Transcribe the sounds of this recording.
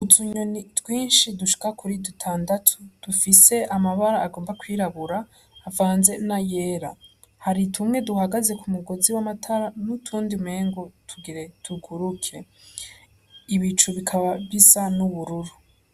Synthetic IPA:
utʰuɲonitɡwiːnʃiduʃi̥kakuɾidutʰaːndatʰud̥ufise̞ʔamaβaɾaːɡoːmbakwiːɾaβuɾaː | vaːnze̞naje̞ːɾa | haɾitʰumŋe̞duhaɡaze̞kumuɡo̞ziwamatʰaɾanutʰuːndime̞ːŋɡotʰuɡiɾe̞tʰuɡuɾukʰe̞ | iβit͡ʃuβikʰaβaβisanuβuɾuɾu

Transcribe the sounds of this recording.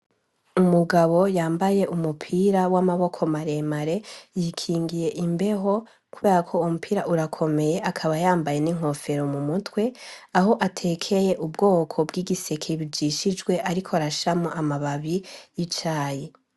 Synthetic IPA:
umuɡaβo̞jaːmbaje̞ʔumupʰiɾawamaβo̞kʰo̞maɾe̞maɾe̞jikʰiːŋɡije̞ʔimbe̞ɦo̞ | kuβe̞ːɾakʰo̞umupʰiːɾaʔuɾakʰo̞me̞je̞ʔakʰaβajaːmbaje̞niŋ̥ho̞fe̞ɾo̞mumutwe̞aɦo̞ʔatʰe̞ːkʰe̞je̞ʔubɡo̞ːkʰo̞bɡiːɡise̞kʰeβid͡ʒiʃid͡ʒɡwe̞ʔaɾikʰoɾaʃamoʔamaβaβijit͡ʃaːje

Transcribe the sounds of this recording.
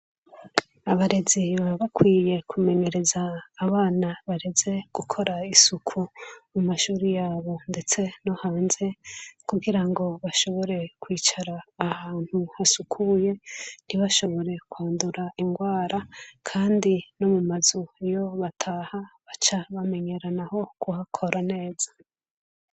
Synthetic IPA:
aβaɾe̞ziβaβakwiːje̞kʰume̞ɲe̞ɾe̞zaːβaːnaβaɾeze̞ɡ̥ukʰo̞ɾaisukʰumumaʃuːɾijaːβo̞nde̞t͡se̞no̞haːnze̞kuɡiɾaŋɡo̞βaʃo̞βo̞ɾe̞kwiːt͡ʃaɾaːhaːn̥huhasukʰuje̞n̥iβaʃo̞βo̞ɾe̞kwaːnduɾaiŋɡwaːɾakʰaːndino̞mumazuejo̞βatʰaːhaβat͡ʃaβame̞ɲe̞ɾanaho̞kuhakʰo̞ɾane̞ːz̥ḁ

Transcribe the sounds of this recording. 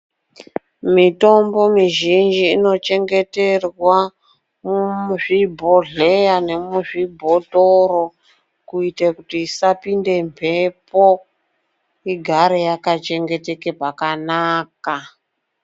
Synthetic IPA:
mito̞mbo̞miʒind͡ʒiːno̞t͡ʃe̞ŋɡe̞te̞rwa | muʐibʱo̞ɮejane̞muʐibʱo̞toɾo | kuitekutiːsapinde̞mpʰe̞po̞ | iɡʱaɾejakat͡ʃe̞ŋɡe̞te̞ke̞pakanaːka

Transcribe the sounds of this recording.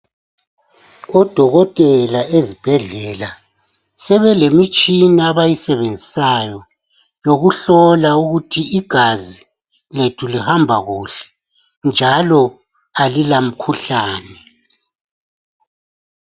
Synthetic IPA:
ɔd̥ʱɔɣɔtʼɛlaezib̥ʱɛɮɛla | sɛβɛlemit͡ʃʼinaaβajisɛβend͡zʱisajɔ | joɣuɬɔlauɣutʰiiɡ̥ʱazi | letʰulihambʱaɣuːɬɛ̥ | nd͡ʒʱalɔ | alilam̩kʰuɬaːnɛ

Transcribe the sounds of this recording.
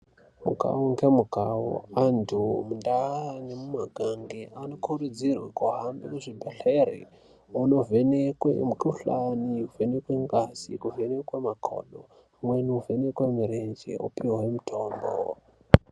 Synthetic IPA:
mṵɡa̰woŋɡemuɡʱawo̰antʰumundaanemumaɡʱaŋɡeʔano̞kʰurud͡zirwekuɦambekuʐibʱeɬerḭ | uno̞venekwḛmukuɬaniuvenekweŋɡasḭkuvenekwemakʰo̰ːɗo | mwenuuve̞nekwemuɾend͡ʒḛṵpiwwemutʰoːmbo̰

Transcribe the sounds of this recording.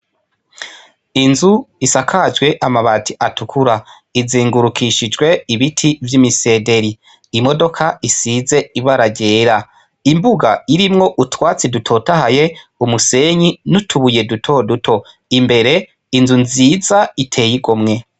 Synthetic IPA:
inzuisakʰad͡ʒɡwe̞ʔamaβatʰiʔatukʰuɾa | iziːŋɡuɾukʰiʃid͡ʒɡwe̞iβitʰivjimise̞ːde̞ɾiː | mo̞do̞kʰaisize̞iβaɾaɟe̞ːɾa | imbuɡa̰iɾimŋo̞ʔutwaːt͡sidutʰo̞tahaje̞umuse̞ɲinutʰuβuje̞dutʰo̞dutʰo̞ | imbe̞ɾe̞ | inzunziːzaitʰe̞ːjiɡomŋe̞

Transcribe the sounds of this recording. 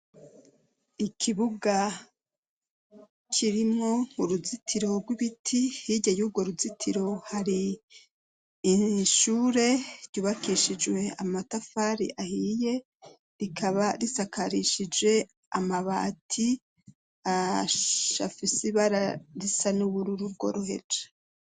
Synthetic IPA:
ikʰiβuɡa | kʰiɾimŋo̞ŋuɾuzitʰiɾo̞ɾɡwiβitʰihiɟajuːb̚ɡo̞ɾuzitʰiɾo̞haɾi | ʃuːɾe̞ɾɟuːβakiʃid͡ʒwe̞a̰matafaːɾḭʔahije̞ | ɾikʰaβaɾisakʰaɾiʃid͡ʒwe̞ | a̰maβa̰ːtʰi | a | ʃa̰fisiβaɾaɾisanuβuɾuɾuɾɡo̰ɾohe̞̰d͡ʒḁ

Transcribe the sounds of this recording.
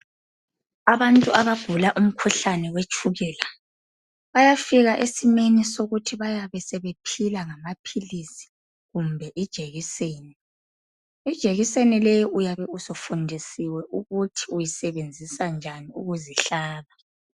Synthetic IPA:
aβantʼuaβaɡ̥ʱulaʔum̩kʰuɬanɛwet͡ʃʰʼuɣɛːla | βajafiɣaʔesimenisoɣutʰiβajaβɛsɛβepʰilaŋamapʰilisi̥ | ɣumbʱɛʔid̥ʒ̥ʱeɣiseːni | id̥ʒ̥ʱeɣisenilɛjiʔujaβɛusɔfundʱisiwɛʔuɣutʰi̥ujisɛβend͡zʱisand͡ʒʱaniuɣuziɬaːβa

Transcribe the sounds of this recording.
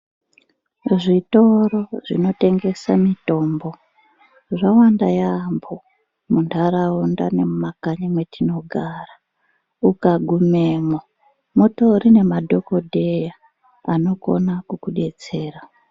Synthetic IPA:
ʐito̞ro̞ʐḭno̞te̞ŋɡe̞samito̞ːmbo̞ | ʐawandajambo̞ | muntʰaɾaunda̰ne̞mumakaɲimwe̞tino̞ɡʱara | ukaɡʱume̞mo | moto̞ɾine̞madʱo̞ko̞dʱe̞ja | ano̞ko̞̰nakukuɗe̞t͡se̞ːra

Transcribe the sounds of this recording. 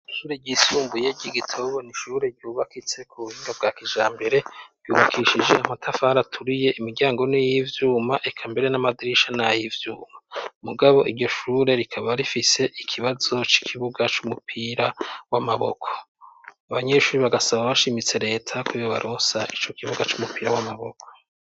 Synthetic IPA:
ʃuːɾeɟisuːmbuje̞ɟiɡitʰoβoniʃuːɾe̞ɟuːβakit͡se̞kʰuβuhiːŋɡab̚ɡaːkiʒaːmbe̞ɾe̞̥jṵːβakʰiʃid͡ʒe̞ʔamatʰafahaɾatʰuɾije̞ʔimiɾɟaːŋɡo̞nijivjuːmaʔekʰambe̞ɾe̞namadiɾiʃanajivjuːmamuɡaβo̞ʔiɾɟo̞ʃuːɾe̞ɾikʰaβaɾifise̞ʔikʰiβazo̞t͡ʃi̥kʰiβuɡat͡ʃumupʰiɾawamaβo̞̰kʰo̞̥ | aβaɲe̞ʃuːɾiβaɡasaβaβaʃimit͡se̞ɾe̞ːtʰakijoβa̰ɾʔosaʔit͡ʃo̞kʰiβuɡat͡ʃumupiːɾawamaβo̰kʰo

